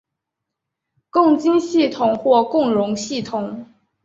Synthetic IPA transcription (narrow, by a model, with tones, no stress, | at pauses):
kʊ˥˩ŋt͡ɕi˥nɕi˥˩t̪ʰʊ˨˩ŋxwɔ˥˧kʊ˥˩ŋɻʊ˧˥ŋɕi˥˩t̪ʰʊ˨˩˦ŋ